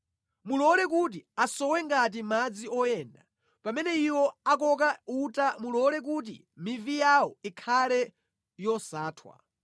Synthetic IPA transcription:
mulɔlɛk̬ut̬iasɔwɛŋɡat̬imad͡ziɔjɛːnda | pamɛnɛiwɔakɔkautamulɔlɛk̬ut̬ḭ | mivijawɔikʰalɛ | jɔsaːtʰwa̰

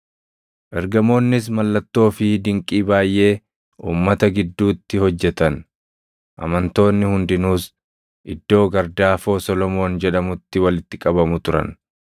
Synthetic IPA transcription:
ʔɛɾɡɐmo̞ːnːɪs̬mɐlːɐt̪ːo̞ːfɪd̪ɪŋkʼiːbaːjʔe̞ː | uːmːɐt̪ɐɡɪd̪ːuːt̪ːɪhɔd͡ʒːɛt̪ɐn | ʔɐ̰mɐnt̪o̞ːnːɪhʊnd̪ɪnuːs | ʔɪd̪ːo̞ːɡɐɾd̪aːfo̞ːsɔlɔmo̞ːnd͡ʒɛᶑɐmʊt̪ːɪwɐlɪt̪ːɪkʼɐbɐmʊt̪ʊɾɐ̰n

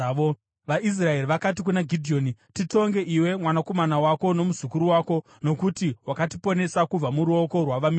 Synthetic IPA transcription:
ʋaʔis̬rae̞riʋakat̬ik̬unaɡʱidʱio̞ːnitito̞ŋɡe̞ʔiwe̞mwanako̞manawako̞no̞muzukuɾuwaːko̞ | no̞kutiwakatipo̞ne̞sakub͡vamuɾuo̞ko̞rwaʋami

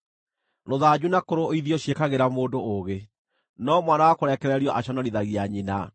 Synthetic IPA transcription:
ɾoðad͡ʑunakoɾooiðiɔɕekaɣeɾamoːndooɣe | nɔmwanawakoɾɛkɛɾɛɾiɔʔaɕɔnaɾiðaɣiaɲina

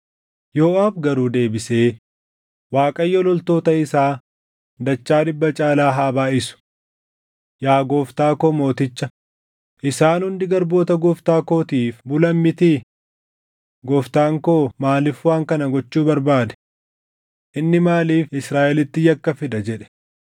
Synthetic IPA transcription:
joːʔaːbɡɐɾuːd̪e̞ːbɪse̞ː | waːkʼɐjːɔlɔlt̪o̞ːt̪ɐɪsaː | d̪ɐt͡ʃːaːd̪ɪbːɐt͡ʃʼaːlaːɦaːbaːʔɪsʊ̥ | jaːɡoːft̪aːkoːmo̞ːt̪ɪt͡ʃːɐ | ʔɪsaːnhʊnd̪ɪɡɐɾbo̞ːt̪ɐɡɔft̪aːkoːt̪iːfbʊlɐmːɪt̪i | ɡɔft̪aːŋkoːmaːlɪfwaːŋkɐnɐɡɔt͡ʃːuːbɐɾbaːd̪ɛ̥ | ʔɪnːɪmaːliːfɪsɾaːʔɛlɪt̪ːɪjɐkːɐfɪd̪ɐd͡ʒɛᶑɛ̥

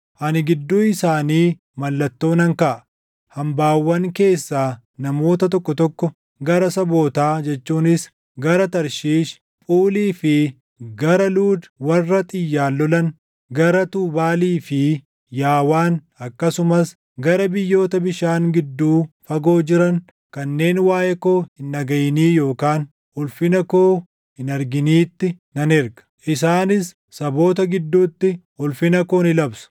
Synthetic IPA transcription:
ʔɐnɪɡɪd̪ːuːɪsaːniː | mɐlːɐt̪ːo̞ːnɐŋkɐʔɐ | hɐmbaːwːɐŋke̞ːsːaː | nɐmo̞ːt̪ɐt̪̬ɔkːɔt̪ɔkːɔ | ɡɐɾɐsɐbo̞ːt̪aːd͡ʒɛt͡ʃːuːnɪs | ɡɐɾɐt̪ɐɾʃiːʃ | pʼuːliːfɪ | ɡɐɾɐluːd̪wɐrːɐt̪ʼɪjːaːlːɔlɐn | ɡɐɾɐt̪uːbaːliːfɪ | jaːwaːn | ɐkːɐsʊmɐs | ɡɐɾɐbɪjːo̞ːt̪ɐbɪʃaːŋɡɪd̪ːuːfɐɡo̞ːd͡ʒɪɾɐn | kɐnːe̞ːnwaːjʔɛko̞ːhɪnːɐɡɐjɪniːjo̞ːkaːn | ʊlfɪnɐko̞ː | hɪnɐɾɡɪniːt̪ːɪnɐnɛɾɡɐ̥ʔɪs̬aːnɪsː | ɐbo̞ːt̪ɐɡɪd̪ːuːt̪ːɪ | ʊlfɪnɐko̞ːnɪlɐbsʊ̥

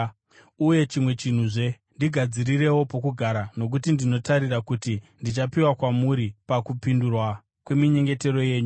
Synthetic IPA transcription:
uje̞t͡ʃimwe̞t͡ʃin̤uʐe̞ | ndiɡʱad͡ziɾire̞wo̞po̞kuɡʱaɾano̞k̬utindino̞taɾirakutindit͡ʃapiwakwamuɾipakupindurwa | kwe̞miɲe̞ŋɡe̞te̞ɾo̞je̞ːɲu

